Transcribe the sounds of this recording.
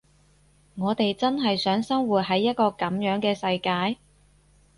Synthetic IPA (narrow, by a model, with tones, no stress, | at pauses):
ŋɔː˨˧t̪e˨jt͡sɐ˥nɦɐ˨jsœː˨˥ŋsɐ˥ŋwuː˨˩t̚ɦɐ˨˥jːɐ˥t̚kɔː˧kɐ˨˥mjœː˨˥ŋkɛː˧sɐ˧jkaː˧j